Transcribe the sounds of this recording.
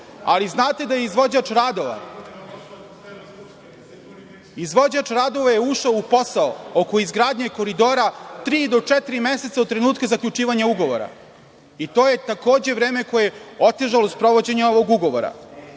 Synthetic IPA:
a̰liznaːt̪ed̪ajeizʋod͡ʑat͡ʂɾad̪oʋa̰ | izʋo̞d͡ʑat͡ʂɾad̪o̞ʋajeuʃaoupo̞saookoizɡɾaːd̪ɲeko̞ɾid̪o̞ːɾat̪ɾiːd̪o̞t͡ʂɛt̪iɾimese̞t̪saot̪t̪ːɾenuːt̪kazakʎʲut͡ʂiːʋaɲauɡo̞ʋo̰ɾa̰ | it̪o̞ːje̞t̪ako̞ːd͡ʑe̞ʋɾeːmeko̞jeeo̞t̪eʒalospɾo̞ʋo̞d͡ʑeɲao̞ʋo̞ɡuɡo̞ʋo̰ɾa̰

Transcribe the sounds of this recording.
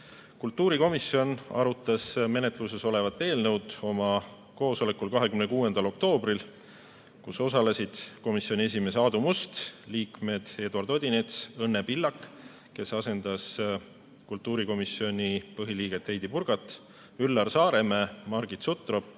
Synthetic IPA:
kult̪ːˑuːɾiko̞misio̞nɑ̰ɾut̪ːˑɑsme̞net̪luse̞so̞le̞vɑt̪ːˑe̞ːlnɤwd̪̥o̞mɑ | ko̞ːso̞le̞kːulkɑɦekymnekuːe̞nd̪̥ɑlo̞kt̪o̞ːbril | kuso̞sɑle̞sid̪̥ko̞misio̞nʲie̞s̬ʲime̞s̬ɑːd̪umust̪liːkme̞d̪̥e̞ːd̪uɑrd̪̥od̪̥ʲinet̪sɤnːepilːɑkː | ke̞sɑse̞nd̪̥ɑs | kult̪ˑːuːɾiko̞misio̞nʲipɤɦiliːɡ̥e̞t̪ːhejd̪̥ipurɡ̥ɑt̪ːˑ | ylːɑrsɑːɾe̞memɑrɡ̥it̪sut̪ːˑro

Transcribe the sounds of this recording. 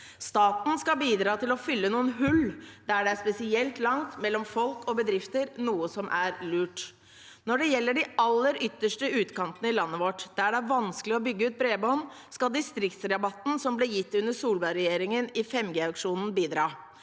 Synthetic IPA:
st̪ɑːt̪n̩skɑbiːd̪ɾɑːt̪ʰɪlɔfʏlːənuːənɦʉlːd̪æɖɛæspɛsɪɛlt̪lɑŋt̪mɛlːɔmfɔlkʰɔbəd̪ɾɪft̪əɾnuːəsɔmʔæɾlʉːʈ | nɔɖɛjɛlːəɖɪɑlːəɾʏt̪ːəʂʈəʉːt̪kɑnt̪ənəɪlɑnːəʋɔʈd̪̥æɖɛæɾʋɑnsklɪɔbʏɡːəʉːt̪̚bɾeːbɔn | skɑld̪ɪst̪ɾɪkt̪sɾɑbɑt̪n̩sɔmblɛjɪt̪ːʉnːəsuːlbɑɾɛjeːɾɪŋənɪfɛmɡeːɑkʂuːnn̩biːd̪ɾɑː

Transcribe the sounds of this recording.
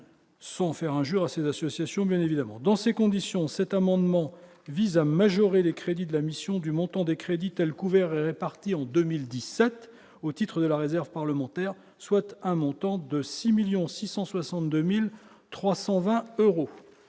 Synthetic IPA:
sɑ̃fɛʁɛ̃ʒyʁasezasɔsjasjɔ̃bjɛ̃nevid̪amɑ̰̃d̪ɑ̃sekɔ̃d̪isjɔ̃sɛt̪amɑ̃d̪mɑ̃ | vizamaʒɔʁelekχed̪id̪əlamisjɔ̃d̪ymɔ̃t̪ɑ̃d̪ekχed̪it̪ɛlkuvɛʁɛʁepaʁt̪iɑ̃d̪ømild̪isɛt̪ | ot̪it̪χəd̪əlaʁezɛʁvpaʁləmɑ̃t̪ɛʁ | swat̪ɛ̃mɔ̃t̪ɑ̃d̪əsimiljɔ̃sisɑ̃swasɑ̃t̪̚d̪ømil | t̪χwasɑ̃vɛ̃øʁo

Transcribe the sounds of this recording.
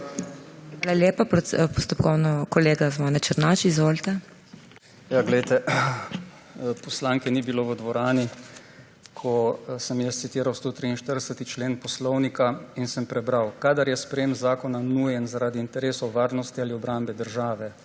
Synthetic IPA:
xʋaːlaljeːpapɔst̪ɔpkɔwnɔkɔleːɡazmɔnɛt͡ʃəɾnaːt͡ʃizʋoːlt̪ɛ | jaɡlɛjt̪ɛ | pɔslaːŋkɛnibiloːʋəd̪ʋɔɾaːni | kʰɔsəmjəst̪sit̪iːɾawst̪oːt̪ɾiinʃt̪əɾd̪ɛsət̪it͡ʃleːnpɔslɔwnikainsɛmpɾɛbɾawkad̪aɾjɛspɾɛjemzaːkɔnanuːjɛnzaɾaːd̪iːnt̪ɛɾeːsoʋaːɾnɔst̪ialiɔbɾambɛd̪əɾʒaːʋɛ

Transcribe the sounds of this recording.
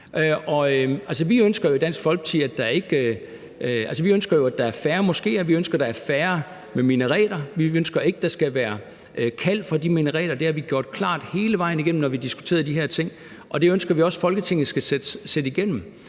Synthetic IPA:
ʔʔɒ̽øælsəʋiønsɡ̥ɐjo̝id̥æn̰sɡ̥fɒ̽lɡ̥t͡sʰḭːæd̥ɑ̈æɐe̝ɡ̥ | ælsəʋiønsɡ̥ɐjo̝æd̥ɑ̈æɐfæːɐmɒ̽sɡ̥e̝̰ːɒʋiønsɡ̥ɐd̥ɑ̈æɐfæːɐ | meminəʁɛ̰ːd̥ɐʋiønsɡ̥ɐe̝ɡ̥əd̥ɑ̈sɡ̥æʋæːɐ | kʰæl̰fɒd̥iminəʁɛ̰ːlɐd̥e̝æɐʋiɡ̥jo̝ɐ̰d̥̚kʰlɑ̰̈ːd̥he̝ːləʋɑ̈ɪ̰n̩iɡ̥en̰m̩nɒʋid̥isɡ̥u̥t͡sʰe̝̰ːð̩ˠd̥iɦæɐ̰t͡sʰe̝ŋ̰ | ʔɒ̽d̥e̝ønsɡ̥ɐʋiɒ̽sfɒ̽lɡ̥ət͡sʰe̝ŋ̰n̩sɡ̥æsed̥sed̥iɡ̥en̰m̩

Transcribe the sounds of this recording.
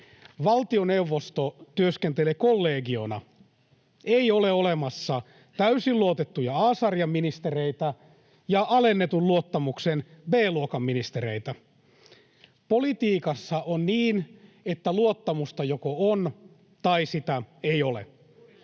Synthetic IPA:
ʋɑlt̪io̞ne̞uʋːost̪ot̪yøskent̪elekolːeːɡio̞nɑ̰ | eiole̞olemɑsːɑ | t̪æysilluot̪et̪ːujɑɑːsɑrjɑmːinist̪ereit̪æ | jɑʔɑlenːe̞t̪ulluot̪ːɑmuksenbeːluokɑmːinist̪eɾeit̪æ | polit̪iːkɑsːɑʔonniːn | et̪ːæluot̪ːɑmust̪ɑjokoon | t̪ɑisit̪æejo̞lḛ

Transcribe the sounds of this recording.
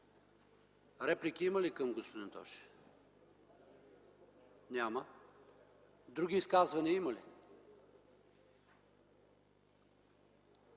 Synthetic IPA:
ɾɛplikʲiiməlikəmɡospod̪int̪ɔ̰ʃ | nʲamə | d̪ɾuɡʲiːskazvɐniimɐli

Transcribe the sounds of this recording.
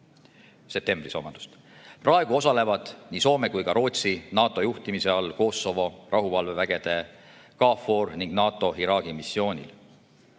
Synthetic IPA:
sep̚t̪emb̥riso̞̰mɑn̥u̥st̪ | prɑe̞ɡ̥uo̞sɑle̞vɑd̪̥niːso̞ːme̞kujkɑɾo̞ːt̪sinɑːt̪ːˑo̞juht̪imise̞ɑlko̞ːso̞vo̞rʔɑɦuvɑlvevæɡ̥e̞d̪̥e̞ | kɑːfo̞rniŋɡnɑːt̪ˑo̞iɾɑːɡ̥imisːjo̞ːnʲḭl

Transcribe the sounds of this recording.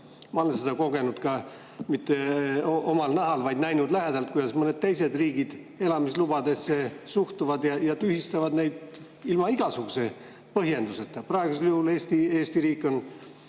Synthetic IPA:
mɑo̞le̞ns̬e̞d̪ɑko̞ɡe̞nud̪̥kɑ | mit̪ˑːeoo̞mɑlnɑɦɑlvɑjd̪̥næjnud̪læɦed̪ɑlt̪̚kujd̪ɑsmɤne̞d̪̚t̪e̞js̬e̞d̪riːɡid̪̥ | e̞lɑmislub̥ɑd̪e̞sːe̞suht̪uvɑd̪jɑjɑt̪yhist̪ɑvɑd̪ne̞jd̪̥ | ilmɑiɡ̥ɑsuɡ̥use̞ | pɤɦje̞nd̪̥uset̪ːˑɑprɑeɡ̥us̬eljuhule̞ːst̪ie̞ːst̪iɾiːkːˑo̞n

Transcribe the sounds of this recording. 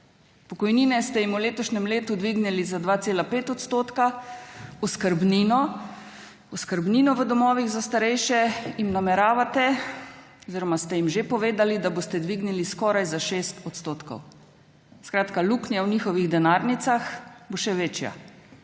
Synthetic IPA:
pɔkɔjniːnɛst̪ɛjimuleːt̪ɔʃnɛmleːt̪ud̪ʋiɡnilizad̪ʋaːt̪seːlapeːt̪ɔt̪st̪oːt̪ka | ɔskəɾbninɔ | ɔskəɾbniːnɔʋəd̪ɔmɔːʋiɣzast̪aɾɛjʃɛjimnamɛɾaːʋat̪ɛ | ɔziːɾɔmast̪ɛjimʒepɔʋeːd̪alid̪abost̪ɛd̪ʋiɡniliskɔːɾajzaʃeːst̪ɔt̪st̪oːt̪kɔ̰w | skɾaːt̪kaluːknjawniːxɔʋiɣd̪ɛnaːɾnit̪saxboʃɛʋeːt͡ʃja̰

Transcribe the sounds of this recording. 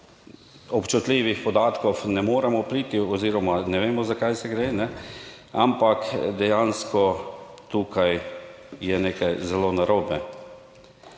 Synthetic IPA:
ɔpt͡ʃut̪liʋixpɔd̪aːt̪kɔwnɛmoːɾɛmɔpɾiːt̪iɔziːɾɔmanɛʋeːmɔzakajsɛɡɾenɛ | ampakd̪ɛjanskɔ | t̪uːkʰaj | jɛneːkajzɛlonaɾoːbɛ

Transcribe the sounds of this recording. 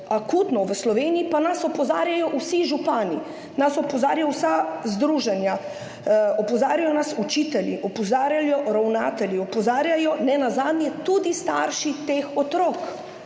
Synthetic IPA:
akuːt̪nɔʋəslɔʋeːniipanasɔpɔzaːɾjajɔʔusiʒupaːni | nasɔpɔzaːɾjaɔwsazd̪ɾuːʒɛnja | ɔpɔzaːɾjajɔnasut͡ʃit̪ɛljiʔɔpɔzaːɾjaljɔɾawnaːt̪ɛljiɔpɔzaːɾjajɔnɛnazaːd̪njɛt̪ud̪ist̪a̰ɾʃit̪eːxɔt̪ɾok

